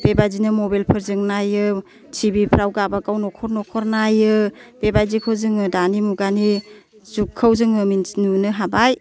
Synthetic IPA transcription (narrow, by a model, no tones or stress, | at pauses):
bebajzinɯmɔbelpʰɯɾzɯŋnajɯ | t͡ʃʰibipʰɾawɡabakawnɔkʰɔɾnɔkʰɔɾnajɯb̥ebajzikʰɯwzɯŋɯdanimuɡani | zukʰːəwzɯŋɯminnunɯɦabaj